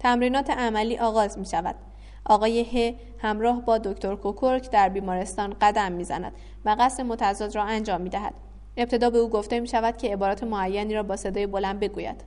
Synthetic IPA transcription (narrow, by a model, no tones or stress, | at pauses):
t̪ʰæmɾiːnɒːt̪ʰe̞ʔæmæliːʔɒːɣɒːzmiːʃævæ̰d̪̥ | ʔɒːɣɒːje̞he | hæmɾɒːɦbɒːd̪ocʰt̪ʰo̞ɾkʰokʰoɾcʰd̪æɾbiːmɒːɾe̞st̪ɒːnɢæd̪æmːiːzæ̰næ̰d̪̥ | væɣæsɾe̞mo̞t̪ʰæzɒːd̪ɾɒːænd͡ʒɒːmːiːd̪æɦæ̰d̪̥ | e̞p̚t̪ʰe̞d̪ɒːbe̞uːɡo̞ft̪e̞miːʃævæd̪̥̚cʰe̞ːbɒːɾɒːt̪ʰe̞moæjːæniːɾɒːbɒːse̞d̪ɒːjebo̞lænd̪̚be̞ɡuːjæ̰d̪̥